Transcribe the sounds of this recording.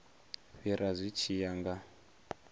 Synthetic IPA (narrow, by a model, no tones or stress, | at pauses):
ɸiɾazʷit͡ʃʰijaŋɡa